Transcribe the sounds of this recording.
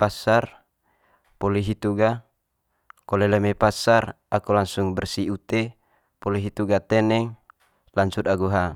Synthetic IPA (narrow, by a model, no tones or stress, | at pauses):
pasar | pɔliɦit̪uɡa | kɔlelemepasar | akulaŋsuŋbɛrsiut̪e | pɔliɦit̪uɡat̪ɛnɛŋ | laŋsut̪̚aɡuɦa